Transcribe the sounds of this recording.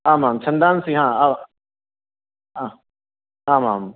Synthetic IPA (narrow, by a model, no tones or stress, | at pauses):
aːmãːmt͡ʃʰɐ̃nd̪aːnsĩɦãːa | ɦãː | aːma̰ːm